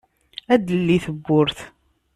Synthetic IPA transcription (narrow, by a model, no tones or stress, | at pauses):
æd̪əlːiθəbːʊɾθ